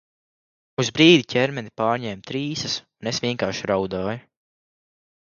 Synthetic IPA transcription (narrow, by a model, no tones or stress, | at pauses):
uzbɾiːd̪ʲicʲɛɾmɛnipaːɾɲɛːmt̪ɾiːsɐsunesʋʲiɛŋkaːɾʃɾawd̪aːj